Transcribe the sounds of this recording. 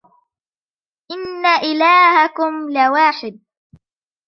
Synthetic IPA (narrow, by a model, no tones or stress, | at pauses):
ʔɪnːaʔɪlaːhakʊmlɪwaːħɪd̪̚